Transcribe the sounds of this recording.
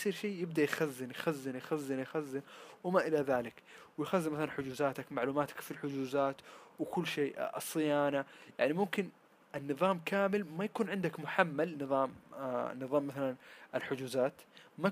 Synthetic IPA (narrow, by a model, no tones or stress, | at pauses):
siːɾʃeːjɪbd̪ajxazːɪnjxazːɪnjxazːɪnjxazːɪnwɪmaʔɪlaðaːlɪkwjxazːɪnmaθalanħʊd͡ʒuːzaːt̪akmaʕluːmaːt̪ḁkfilħʊd͡ʒuːzaːt̪wɪkʊlːʃeːɑsˤːɨjaːnaja̰ʕnimʊmkɪn | ʔɪnːɨðˤɑːmkaːmɪlmajakuːnʕɪnd̪akmʊħamːalnɨðˤɑːmnɨðˤɑːmːaθalanʔɪlħʊd͡ʒuːzaːt̪ma